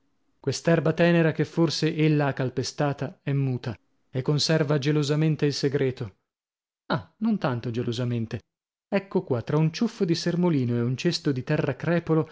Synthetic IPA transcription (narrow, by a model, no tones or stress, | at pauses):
kwest̪aɛrbat̪ɛːneɾak̟efːorseʔelːaakːalpest̪aːt̪aɛmːuːt̪a | ekːonsɛrvad͡ʒelozament̪eilseɡɾɛːt̪o | anont̪ant̪od͡ʒelozament̪e | ɛkːokwat̪ːɾaunt͡ʃufːod̪isermoliːnoeunt͡ʃest̪od̪it̪ɛrːakɾɛːpolo